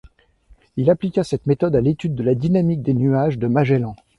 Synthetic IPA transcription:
ilaplikʲasɛt̪met̪ɔd̪alet̪yd̪ːəlad̪inamik̚d̪enyaʒd̪əmaʒɛlɑ̃

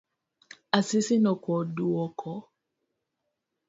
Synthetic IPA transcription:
asisinɔkɔduɔkʰɔ

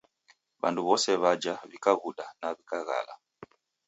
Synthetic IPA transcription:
βa̰nduβɔsɛβad͡ʒaβikaɣuɗanaβikaɣa̰la̰

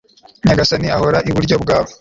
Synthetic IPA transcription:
ɲaɡasaniaho̞ɾaʔiβuɾɟo̞bɡaːβo

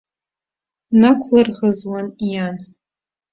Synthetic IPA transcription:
nakʷʰlɨrʁəzwanjan

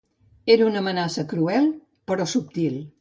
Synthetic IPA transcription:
eɾəunəmənasəkɾuɛlˠ | pəɾɔsup̚t̪ilˠ

